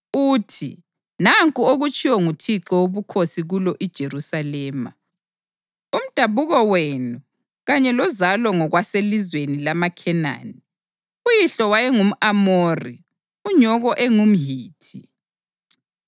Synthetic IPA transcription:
uːtʰḭ | naŋkʼuoɣut͡ʃʰʼiwɔŋutʰiǁɔwoβukʰosiɣulɔʔid̥ʒ̥ʱerusalɛːma̰ | um̩d̥ʱaβuɣɔwenu | ɣaɲɛlɔzalɔŋɔɣwaselizwenilamakʰɛna̰ːni | ujiɬɔwajɛŋum̩amoːrḭ | uɲɔɣɔʔɛŋum̩ɦiːtʰi

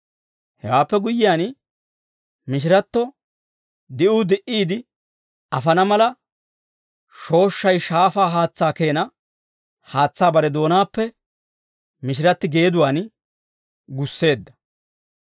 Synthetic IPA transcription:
hɛ̰waːpːɛɡʊjːɪjaːn | mɪʃ̬ɪɾɐt̪ːɔ | d̪ɪʔʊd̪ɛʔiːd̪ɪ | ɐfɐnɐmɐlɐ | ʃo̞ːʃːɐjʃaːfaːɦaːt͡sːaːke̞ːnɐ | haːt͡sːaːbɐɾɛd̪o̞ːnaːpːɛ | mɪʃɪɾɐt̪ːɪɡe̞ːd̪ʊwaːn | ɡʊsːe̞ːd̪ːɐ̥

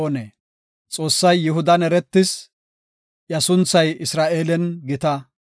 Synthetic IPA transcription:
neː | t͡sʼo̞ːsːɐjːɪɦʊd̪ɐnɛɾɛt̪ːɪs | jɐsʊnt͡sːɐjɪsɾaːʔeːlɛnɡɪt̪ɐ

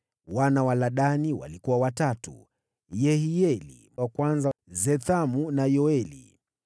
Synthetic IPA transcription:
wanawalaɗaniwa̰likuwawatatṵ | jɛhijɛlḭ | wakwanzazɛθamunajɔɛlḭ

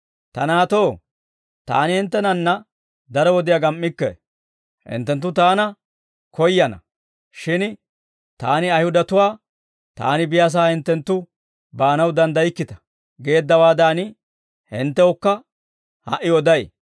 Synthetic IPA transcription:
t̪ɐnaːt̪o̞ː | t̪a̰ːnɪhɪnt̪ːɛnɐnːɐ | d̪ɐɾɔwɔd̪ɪjaɡɐmʔːɪkːɛ̰ | hɪ̰nt̪ːɛnt̪ːʊt̪aːnɐ | kɔjːɐnɐ̰ | ʃɪn | t̪aːnɪɐjhʊd̪ɐt̪ʊwaː | t̪a̰ːnɪbɪjas̬aːhɪnt̪ːɛnt̪ːʊ | baːnɐwd̪ɐnd̪ɐjɪkːɪt̪ɐ̥ | ɡe̞ːd̪ːɐwaːd̪aːn | hɪ̰nt̪ːɛɔkːɐ | hɐ̰ʔɪwɔd̪ɐj

